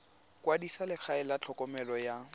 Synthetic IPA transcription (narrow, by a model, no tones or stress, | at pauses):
kʼwadisalɪk͡xʰaɪlat͡ɬʰɔkʼɔmɛlɔja